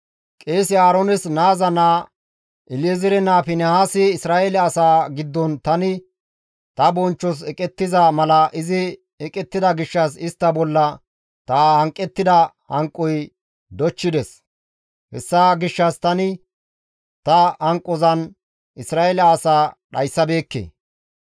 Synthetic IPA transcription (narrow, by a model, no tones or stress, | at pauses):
kʼeːsɪaːɾɔnɛsnaːzɐnaː | ʔɪljɛzɪɾɛnaːfɪnɛhaːsɪːsɾaːɛlɛɐsaːɡɪd̪ːɔnt̪ɐnɪ | t̪ɐbɔnt͡ʃːɔs̬ɛkʼɛt̪ːɪzɐmɐlɐʔɪzɪ | ɛkʼɛt̪ːɪd̪ɐɡɪʃːɐsɪst̪ːɐbɔlːɐ | t̪aːhɐŋkʼːɛt̪ːɪd̪ɐ | hɐŋkʼːɔj | d̪ɔt͡ʃːɪd̪ɛs | hɛ̰sːaɡɪʃːɐst̪ɐnɪ | t̪ɐhɐŋkʼːɔzɐn | ɪsɾaːelɛaːsaːɗɐjsːɐbe̞ːkːḛː